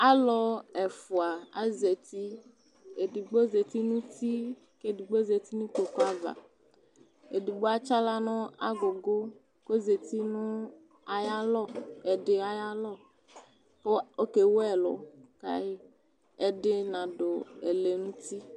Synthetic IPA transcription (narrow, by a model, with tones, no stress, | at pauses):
a˦lɔ˨ɛ˨fu˨a˨a˦ze˨t̪i˦ | e˨di˨ɡ͡bo˦ze˨t̪i˦nũ˦t̪i˦ | ke˦di˨ɡ͡bo˦ze˨t̪i˦nũ˦k͡po˨ko˦a˦va̰˨ | e˨di˨ɡ͡bo˦a˦t͡ʃa˦la˦nɔ̃˦a̰˦ɡo˨ɡo˦ | ko˦ze˨t̪i˦nʊ̃˦ | a˨ja˦lɔ˦ɛ˨ɖɪ˨a˨ja˦lɔ˦ | po˦o˦ke˨wo˦ɛ˨lɔ̰˨ka̰˦je˦ | ɛ˨dɪ˦nã˨ɖo˨ɛ̰˨le˨nũ˦t̪i˦